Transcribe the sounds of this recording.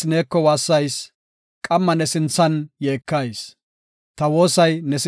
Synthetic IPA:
ne̞ːkːɔwaːsːɐjs | kʼɐmːɐnɛsɪnt͡sːɐnjeːkːɐjs | t̪ɐwo̞ːsɐjnɛs

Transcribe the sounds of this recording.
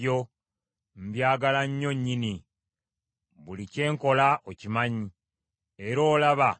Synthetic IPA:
o̞ | m̩bjaːɡalaɲːo̞ɲːini | βulice̞ːŋko̞laocimaɲi | e̞ɾo̞ːlaβa

